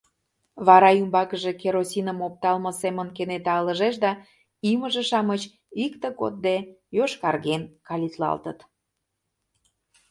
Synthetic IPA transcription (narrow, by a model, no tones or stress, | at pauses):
βɑɾɑymbɑkəʒekeɾosinəmop̚t̪ɑlməsemənkenet̪ɑələʒeʃd̪ɑ | iməʒeʃɑmət͡ɕ | ikt̪əko̰t̪̚d̪ejoʃkɑrɣenkɑlʲit̪lɑ̰lt̪ə̰t̪